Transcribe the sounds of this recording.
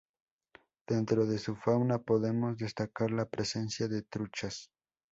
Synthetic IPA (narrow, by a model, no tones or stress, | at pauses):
ð̥e̞nt̪ɾo̞ðe̞sufawnapo̞ðe̞mo̞zðe̞st̪akaɾlapɾese̞nsjaðe̞t̪ɾut͡ʃas